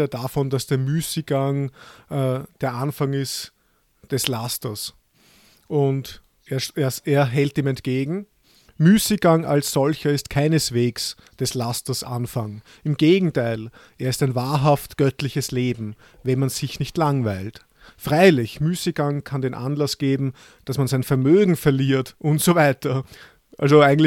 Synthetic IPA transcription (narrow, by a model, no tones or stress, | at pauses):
ɐdafɔnd̥asd̥eːɐmyːsiɡ̥aŋɛːd̥eːɐʔanfaŋɪst | d̥ɛslastɐs | ʔʊnt | ʔeːɐːɐeːɐɦɛltiːmɛntɡ̥eːɡŋ̩ | myːsɪɡ̥aŋʔa̰lsz̥ɔlçɐɪstkʰaɪnəsv̥eːks | d̥ɛslastɐsʔa̰nfaŋ | ɪmɡ̥eːɡŋ̩tʰaɪl | ʔeːɐɪstæɪnvaːɐɦaftɡ̥œtlɪçəsleːbm̩ | vɛnmanz̥ɪçnɪçtlaŋvæɪlt | fʁaɪlɪçmyːseɡ̥aŋkʰandeːnʔa̰nlasɡ̥eːbm̩ | d̥asmanzæɪnfɛɐmøːɡŋ̩fɛɐliːɐtʔʊntsovæɪtɐ | ʔa̰lzoæɪɡŋ̩tl